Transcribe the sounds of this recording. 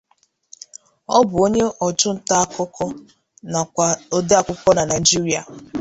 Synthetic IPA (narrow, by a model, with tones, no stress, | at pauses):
ɔ˦bʊ˨o˦ɲe˦ʔɔ˨t͡ʃʊ˦n̩˦˨ta˦a˦˨kɔ˦kʰɔ˦ | na˨a˦o˦de˦a˨kʷʊ˦kʷɔ˦na˨na˨i˨d͡ʒi˦ɾi˦a˨